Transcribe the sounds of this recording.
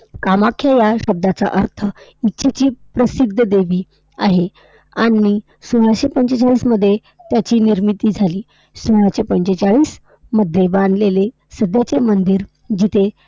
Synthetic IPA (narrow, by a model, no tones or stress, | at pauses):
kamakʰːjajaɕəb̚d̪at͡sa̰ʔəɾt̪ʰəitːɕʰet͡ɕiːpɾəsid̪ʱəd̪eʋiː | aɦe | anːiː | soɭaɕepəɲɕet͡saɭiːsməd̪ʱːje | t̪jat͡ɕiːniɾmit̪iːd͡zʱaliː | soɭaɕepəɲɕet͡saɭiːs | məd̪ʱːjebãnd̪lele | səd̪ʱjat͡semənd̪iɾ | d͡ʑit̪ʰe